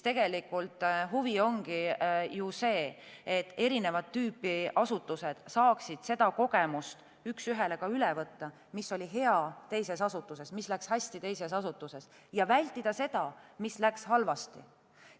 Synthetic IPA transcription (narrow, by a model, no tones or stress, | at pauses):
t̪e̞ɡ̥e̞likːˑult̪ˑɦuvio̞ŋɡijuse̞ːet̪ːe̞ɾine̞vɑd̪ːyːpːˑiɑsut̪ːˑuse̞d̪̥sɑːksid̪̥se̞d̪̥ɑko̞ɡe̞must̪ | yksyɦe̞le̞kɑylɛvɤt̪ːɑ | misːo̞lʲiɦe̞ɑt̪e̞jse̞sɑsut̪ːˑuse̞smislækshæsʲt̪it̪e̞jse̞sɑsut̪ːˑuse̞s | jɑvælʲt̪ˑːid̪̥ɑse̞d̪̥ɑmislækshɑlvɑst̪ḭ